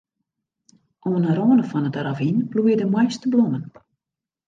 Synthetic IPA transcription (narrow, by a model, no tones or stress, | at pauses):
ʔoənəɾoːnəfɔnətravinblujədəmwɔjstəblomən